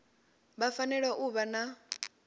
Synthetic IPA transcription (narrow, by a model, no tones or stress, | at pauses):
βafanɛɺaʔuβana